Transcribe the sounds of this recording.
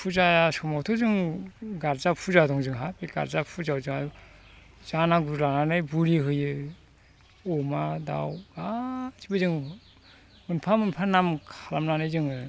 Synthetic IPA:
pʰuzajasɔmawtʰɔzɯŋɡaɾzapʰuzadɔŋzɯŋɦabiɡa̰ɾzapʰuzawzɯŋadu | z̥anaɡuɾlananɯjbuɾiɦɯjɯ | ɔmada̰wɡazibɯzɯŋ | ɯnpʰamɯnpʰanamkʰalamnanɯjzɯŋɯ

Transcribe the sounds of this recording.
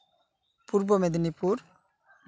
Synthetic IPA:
puɾbomed̪inipuɾ | m

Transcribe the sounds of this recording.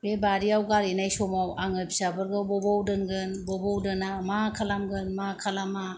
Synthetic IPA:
bebaɾiawɡaɾinajsɔmawaŋɯpsabɯɾɡɯbɔbɔwdɯnɡɯnbɔbɔwdɯnamakʰalamɡɯnmakʰalama

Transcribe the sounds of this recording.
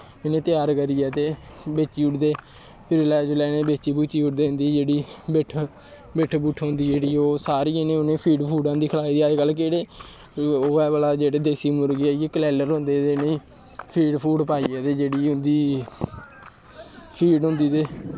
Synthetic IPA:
ɪnẽːt̪ɪjaːɾkəɾiːɛːt̪eːbeːt͡ʃiːʊʈd̪eː | pʰɪɾlɛːd͡ʒlɛːnẽːbeːt͡ʃiːbut͡ʃːiːʊʈd̪eːnd̪iːd͡ʒeːɽiːbeʈʰ | beʈʰbuːʈʰɦõːnd̪iːd͡ʒeːɽiːoːsaːɾiːenẽːʊnẽːpʰiːɖpʰuːɖãːd̪iːkʰəlaːid̪iːaːeɡəlkeːɽeː | oːɛːbəlaːd͡ʒeːɽeːd̪eːsiːmʊɾɡeaekəlɛːləɾɦʊ̃nd̪eːd̪eːnẽː | pʰiːɖpʰuːɖpaːiːɛːt̪eːd͡ʒeːɽiːɦʊ̃nd̪iː | pʰiːɖɦʊ̃nd̪iːt̪eː

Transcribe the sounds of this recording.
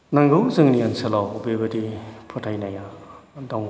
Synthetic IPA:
naŋɡɯwzɯŋnianselawbebɯdipʰɔtʰajnajadɔŋ

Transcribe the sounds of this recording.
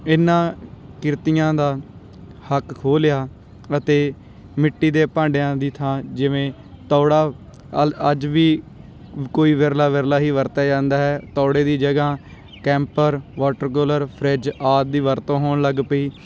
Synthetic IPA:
ɪnːãːkɪɾt̪ijãːd̪aː | həkkʰoːljaː | ət̪eː | mɪʈːiːd̪eːpãːɳɖejãːd̪iːt̪ʰãːd͡ʒɪʋẽː | t̪ɔːɽaː | əd͡ʒʋiː | koːiːʋeɾlaːʋeɾlaːɦiːʋəɾt̪ɛːd͡ʒãːnd̪aːɦɛːt̪ɔːɽeːd̪iːd͡ʒəɡaː | kɛ̃ːmpəɾʋɔːʈəɾk̬oːləɾpʰɾɛd͡ʒaːt̪̚d̪iːʋəɾt̪õːɦoːnləɡpəiː

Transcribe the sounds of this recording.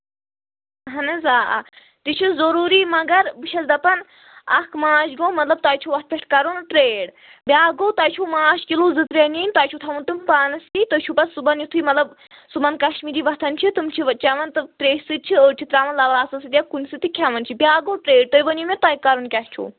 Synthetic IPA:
ɦɐnɨzaːʔa̰ | t̪it͡ʃʰizɐɾuːɾiːmɐɡɐɾbɨʃʰɐsd̪ɐpɐn | ɐkʰmaːʃɡoːmɐt̪lɐb̚t̪aːjt͡ʃʰuʋɐt̪̚pʲeʈʰkɐɾunʈɾeːɽ | bʲaːɡoːt̪aːjt͡ʃʰuːmaːʃkiluːzɨt̪ɾeniːnʲt̪aːjt͡ʃʰut̪ʰɐmunt̪ɨmpaːnɐst̪it̪ət͡ʃʰubɐsːubɐnjit̪ʰiːmɐt̪lɐb | subɐnkɐʃmiːɾiːʋɐt̪ʰɐnt͡ʃʰit̪ɨmt͡ʃʰiʋɐt͡ʃɐʋɐnt̪ɨt̪ɾeːʃsɨd̪̚t͡ʃʰiəːt͡ʃʰit̪ɾaːʋɐnlɐʋaːsɐsɨt̪ijɐkunsɨt̪ikʰɐmɐnt͡ʃʰibʲaːɡoːʈɾeːɖ̚t̪ojʋɐnimet̪ɐːjkɐɾunkʲɐht͡ʃʰṵ

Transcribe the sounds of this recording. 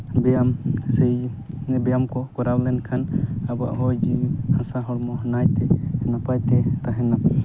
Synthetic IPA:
bɛjamsɛjbɛjamkɔkɔɾawlɛnkʰanaba̰ʔɦɔjd͡ʒihãsaɦɔɽmɔɦnajt̪ɛnapajt̪ɛt̪aɦɛna

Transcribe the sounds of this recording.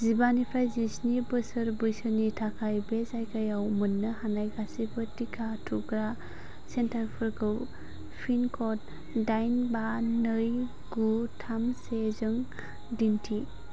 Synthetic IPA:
zibanipʰɾajzisnibɯsɯɾbɯjsɯnitʰakʰajbezajkʰajawmɯnːɯhanajɡasibɯtikʰatʰuɡɾa | sentʰaɾpʰɯɾkʰɯw | pʰinkʰɔt̚ | dajnbanɯj | ɡutʰamsezɯŋ | dintʰi

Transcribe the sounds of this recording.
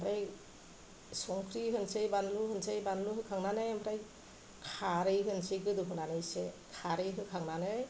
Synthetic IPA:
mɾaj | sɔŋkʰɾiɦɯnsɯjbanluhɯnsɯjbanluhɯkʰaŋnanajambɾaj | kʰaɾɯjɦɯnsɯɡɯduɦɯnanɯjsekʰaɾɯjɦɯkʰaŋnanɯj

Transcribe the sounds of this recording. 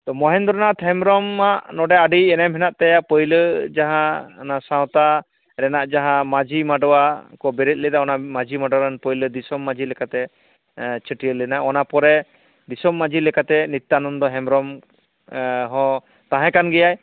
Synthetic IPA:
t̪ɔmɔɦɛnd̪ɔɾɔnat̪ɦɛmɾɔmaʔnɔɖɛaɖiɛnamɦɛnaʔt̪ɛjaʔpəjləd͡ʒaɦãɔnasãw̃t̪a | ɾɛnaʔd͡ʒaɦãmad͡ʒimaɖɔwakɔbɛɾit̪̚lɛt̪aɔnamad͡ʒimaɖɔwɾanpəjləd̪isɔmːad͡ʒʱilɛkat̪ɛ | t͡ʃʰəʈijəlɛnaɔnapɔɾɛ | d̪isɔmːad͡ʒilɛkat̪ɛnit̪ːanɔmd̪ɔɦɛmɾɔm | ɦɔ̃ | t̪ãɦɛ̃kanɡɛjaj

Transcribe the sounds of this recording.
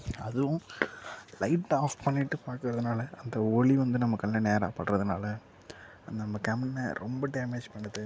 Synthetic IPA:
ɐðɯʋʊ̃ | lɐɪʈːaːfpɐɳːɪʈːɯpaːɾkɯɾɐðɯnaːlɐɐnd̪ɐɔɭiʋɐnd̪ɯnɐmːɐkːɐlnːɐneːɾa̰ːpɐɽɾɐðɯnaːlɐ | ɐnd̪ɐnɐmːɐkɐmɐnːɐɾɔmbɐɖeːmeːd͡ʒpɐɳːɯðɯ

